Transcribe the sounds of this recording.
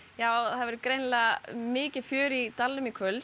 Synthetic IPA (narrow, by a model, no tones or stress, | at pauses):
jaːwɔɣðaðvɛɾʏkɾejnlamɪːcɪfʏːɾit̪alːʏmikʰvœlt̪